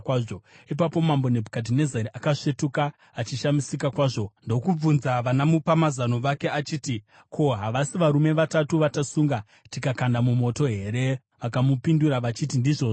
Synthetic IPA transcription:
kaːʐoipapo̞mambo̞nebʱukadine̞zeɾiʔakaʂe̞tukaː | t͡ʃiʃamisikakwaːʐo̞ndo̞kub͡vunzaʋanamupamazanoʋake̞at͡ʃiːti | kʰo̞ɦaʋasiʋaɾume̞ʋatatuʋatasuŋɡa | tikakandamumo̞to̞ɦe̞ɾe̞ | ʋakamupinduɾaʋat͡ʃitindiʐo̞ːʐ

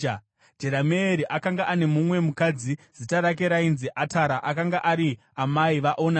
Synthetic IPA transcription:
d͡ʒeɾameːɾiʔakaŋɡaʔane̞mumwe̞mukad͡ziz̥itaɾak̬e̞ɾainziʔataɾaʔakaŋɡaʔaɾi | amaiʋaʔo̞na

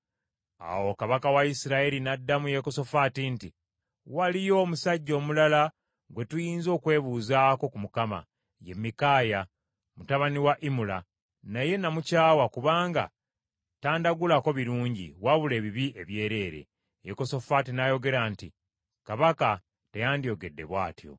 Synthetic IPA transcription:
a̰wo̞kaβakawaisiɾaeɾinadːamuje̞koso̞fatinti | walijo̞ːmusaɟːo̞ːmulala | ɡwe̞tujiːnzo̞ːkwe̞ːβuzaːko̞kumukama̰ | je̞mːikaːja | mutaβaniwaʔimula̰ | naje̞namucaːwakuβaːŋɡa̰ | taːndaɡulako̞βiɾuːɲɟḭwaβule̞ːβiβiʔe̞βje̞ːɾe̞ːɾḛ | jeko̞so̞fatinajo̞ɡe̞ɾanti | kaβaka | te̞jaːndijo̞ɡe̞dːe̞̰βwa̰ːtjo̞̰

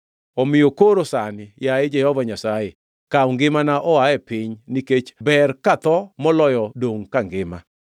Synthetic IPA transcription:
ɔmɪjokoɾosanɪjaed͡ʒɛhɔvaɲasaje | kauŋɡɪmanaʔɔaɛpɪɲniket͡ʃbɛrkat̪ɔmɔlɔjɔdoŋkaŋɡɪma

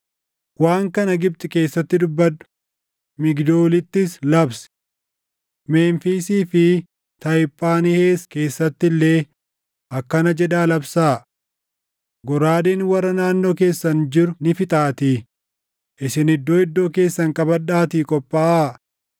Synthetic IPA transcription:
waːŋkɐnɐɡɪb̚t̪ʼɪke̞ːsːɐt̪ːɪd̪ʊbːɐd̪ | mɪɡd̪oːlɪt̪ːɪslɐbs | meːnfiːsiːfɪ | t̪ɐjpʼːaːnɪheːske̞ːsːɐt̪ːɪlːeː | ʔɐkːɐnɐd͡ʒɛd̪aːlɐbsaː | ɡɔɾaːd̪eːnwɐrːɐnaːnːo̞ːke̞ːsːɐnd͡ʒɪɾʊnɪfɪt̪ʼaːt̪i | ʔɪsɪnɪd̪ːo̞ːɪd̪ːo̞ːke̞ːsːɐŋkʼɐbɐᶑaːt̪ikʼɔpʼːaːʔaː

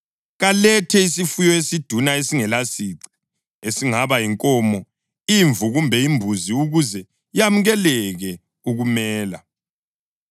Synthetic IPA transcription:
ɣalɛtʰɛisifujɔesid̥ʱunaesiŋɛlasiǀi̥ | esiŋaβaiŋkʼɔmɔ | iɱvuɣumbʱɛimbʱuziuɣuzɛ | ijamuɣɛlɛɣɛ | uɣumɛːla̰

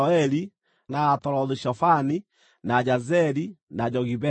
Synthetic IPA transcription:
ɛli | naːtɔlɔðiʃɔfani | nad͡ʒazɛlinad͡ʒɔɣiβɛ

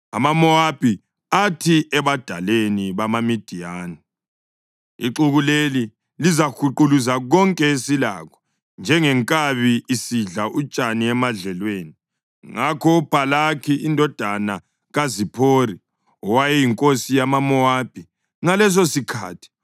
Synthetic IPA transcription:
a̰mamɔab̥ʱi | atʰiɛβad̥ʱa̰leniβamamid̥ʱijaːni | iǁuɣuleli | lizakʰuǃuluzaɣɔŋkʼɛesila̰ɣʰɔ̥ | nd͡ʒʱɛŋɛŋkʼaβiːsiɮaʔut͡ʃʼaniɛmaɮɛlweːni | ŋakʰɔub̥ʱalakʰiindʱɔd̥ʱana | ɣazipʰoːri | ɔwajɛjiŋkʼosijamamɔab̥ʱi | ŋalɛs̬osikʰa̰ːtʰi̥

